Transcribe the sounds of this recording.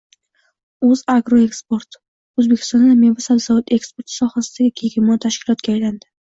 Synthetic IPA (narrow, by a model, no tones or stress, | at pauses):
ɵzaɡɾoekspoɾt̪ | ɵzbekʲʰst̪ɒnd̪amevasabzavʊt̪e̞kspoɾt̪sɒhasɪd̪aɡʲɪkʲʰeɡʲɪmɒt̪ʰaʃkʲɪlɒt̪kʲaːjland̪ɪ